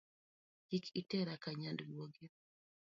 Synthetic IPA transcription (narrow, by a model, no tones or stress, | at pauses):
d͡ʒikʰitɛɾakaɲandɡwoɡi